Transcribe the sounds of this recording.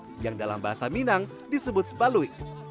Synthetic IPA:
jaŋdala̰mbaɦasaminaŋ | disəbʊt̪̚balui

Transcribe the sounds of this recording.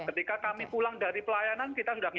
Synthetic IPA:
kət̪ikakamipulaŋdaɾipəlajanankit̪asudahŋ

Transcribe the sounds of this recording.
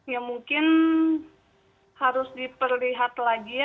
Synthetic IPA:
jamuŋkɪn | haɾʊsdipərliɦat̪laɡi

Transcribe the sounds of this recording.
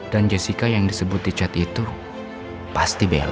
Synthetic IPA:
dand͡ʒesikajaŋdisəbʊt̪̚dit͡ʃat̪it̪u | past̪ibḛl

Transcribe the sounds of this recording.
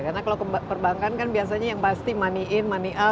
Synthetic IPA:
karnakalakpərbaŋkankanbias̬aɲajaŋpast̪imaniʔɪnmaniʔa

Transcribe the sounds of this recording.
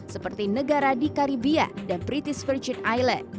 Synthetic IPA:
səpərt̪inəɡaɾadikaɾibia̰danpɾit̪ɪsfərd͡ʒɪnajlɛ̰t̪̚

